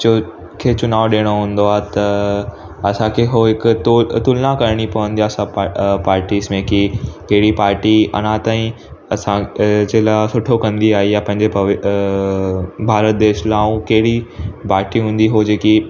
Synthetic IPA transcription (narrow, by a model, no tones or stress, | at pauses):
t͡ɕo | kʰeːt͡ɕʊnaːʋɗeːɽ̃oɦũːn̆d̪oaːɦet̪ɐ | ɐsãkʰeɦoɦɪkt̪t̪ʊlnãkɐɾɽ̃ipɐʋə̃nd̪ijaːsãpaːɾʈiːsmẽkikɐɦɪɽipaːɾʈiɐ̰nãt̪aːĩ | ɐsãd͡ʑelaːsʊʈʰokɐ̃nd̪iaːɦijapɐ̃ɦɪ̃ɲd͡ʑe | bʱaːɾət̪̚d̪eːʃlãːũkɐɦɪɽipaːɾʈiɦũːn̆d̪iɦod͡ʑeːki